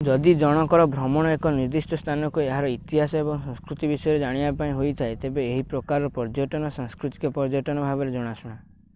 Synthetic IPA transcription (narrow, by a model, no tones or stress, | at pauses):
d͡ʒɔd̪id͡ʒɔɽ̃ɔkɔɾɔbʱɾɔmɔɽ̃ɔekɔniɾd̪isʈɔst̪ʰanɔkueɦaɾɔit̪iɦasɔebɔŋsɔ̃ŋskɾut̪ibisɔjɔɾed͡ʒaɽ̃ibapaĩɦojt̪ʰaet̪ebeːɦipɾɔkaɾɔɾɔpɔɾd͡ʒɔʈɔnɔsãŋskɾut̪i̥kɔpɔɾd͡ʒɔʈɔnɔbʱabɔɾed͡ʒɔɽ̃asuɽ̃a